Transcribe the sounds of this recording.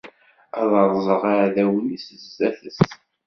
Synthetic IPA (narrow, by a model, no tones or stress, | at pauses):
æðˤəɾˤzˤəʁaɾðæwnisəzːæθəst̪